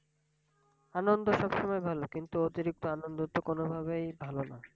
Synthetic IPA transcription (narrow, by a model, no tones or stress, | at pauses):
anond̪ʱoʃɔbʃɔmɔebʱalokint̪uot̪iɾik̚t̪oanond̪ot̪ːokonobʱaβejbʱalona̰